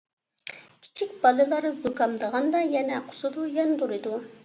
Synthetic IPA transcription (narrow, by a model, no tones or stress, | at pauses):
kʲʰi̥t͡ʃʰikʲb̥ɑlˠɨlˠɑɾbukɑmd̪əʁɑnd̪ɑjɛnɛqʰʊ̥sɨd̪ujɛnd̪uɾɨd̪u